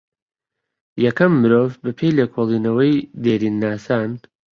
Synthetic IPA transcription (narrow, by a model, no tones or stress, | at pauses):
jɐkɐmːɨɾoːvbɐpʰejleːkʰolˠiːnɐwɐjd̪eːɾiːnːaːsaːn